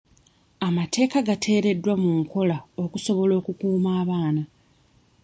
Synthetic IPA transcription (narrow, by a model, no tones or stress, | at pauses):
amate̞ːkaɡatʰe̞ːɾe̞dːwamuŋkʰo̞lao̞kuso̞βo̞lo̞ːkukuːmaːβaːna